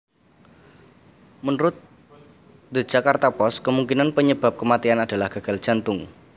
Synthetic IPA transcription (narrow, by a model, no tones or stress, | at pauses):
mənɾʊt̪̚ | d̪ə̥d͡ʒ̥akart̪apɔskəmuŋkinanpəɲəb̥ap̚kəmat̪ianad̥a̤lahɡ̥a̤ɡ̥a̤l̥ʒ̥a̤nt̪ʊŋ